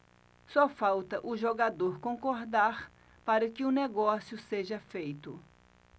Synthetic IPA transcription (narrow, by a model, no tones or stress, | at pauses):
sɔfawt̪ɐʔʊʒoɡad̪oɾkõŋkoɾd̪aɾ | paɾɐkɪʊneɡɔsjʊseʒɐfejt̪ʊ